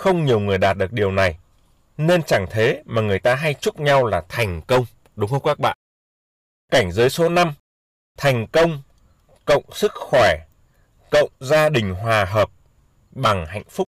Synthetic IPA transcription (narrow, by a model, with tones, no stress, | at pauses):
xə˧wŋ͡mɲi˨˩əwŋɨ˨˩əjɗaː˨˩t̚ɗɨ˨˩ək̚ɗi˨˩əwna˨˩j | ne˧nt͡ɕa˧˩ŋt̪ʰe˨˦maː˨˩ŋɨ˨˩əjt̪aː˧ɦa˧jt͡ɕʊ˦˥k͡p̚ɲa˧wlaː˨˩t̪ʰa˨˩jŋ̟kə˧wŋ͡m | ɗʊ˨˦ŋ͡mxə˧wŋ͡mkaː˦˥k̚ɓa̰ː˧˨nʔ | ka˧˩jŋ̟zəː˨˦jso˨˦na˧m | t̪ʰɛ˨˩jŋ̟kə˧wŋ͡m | kə̰˧˨wŋ͡msɨ˦˥k̚xwɛ˧˩ | kə̰˧˨wŋ͡mzaː˧ɗï˨˩ŋ̟ɦwaː˨˩ɦəː˨˩p̚ | ɓa˨˩ŋha̰˧˨jŋ̟fʊ˦˥k͡p̚